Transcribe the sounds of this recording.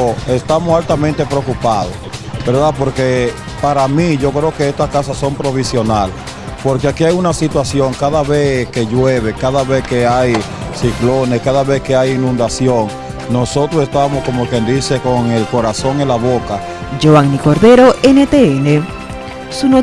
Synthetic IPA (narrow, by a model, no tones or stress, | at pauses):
e̞st̪amosalt̪amẽnt̪e̞pɾeokupaðosbeɾðapo̞ɾke̞ | paɾamiʝo̞kɾeoke̞est̪askasassːo̞mpɾo̞βisjo̞nal | po̞ɾkeakiajunasit̪wasjo̞ŋkaðaβe̞ske̞ʝweβe̞kaðaβe̞ske̞aj | siklo̞ne̞skaðaβe̞ske̞ajinũnd̪asjo̞ŋ | no̞so̞t̪ɾosest̪aβmosko̞mokje̞nd̪ise̞ko̞ŋe̞lko̞ɾaso̞ŋelaβo̞ka | d͡ʒoaŋniko̞ɾðeɾoʔenet̪eene | suno